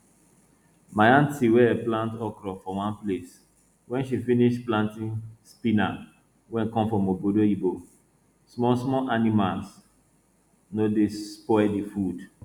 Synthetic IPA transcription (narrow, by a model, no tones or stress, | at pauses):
majãntiwɛplãntɔkɾɔfɔwãnples | wɛ̃nʃifiniʃplãntĩnspina | wɛ̃nkɔ̃mfɹɔ̃mobodoibo | smɔsmɔʔanimals | nodespɔɛdifud